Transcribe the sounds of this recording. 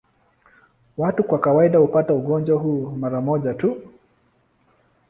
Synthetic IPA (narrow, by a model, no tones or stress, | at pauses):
watukwakawaiɗahupatauɠɔnd͡ʒwahuːmaɾamɔʄatu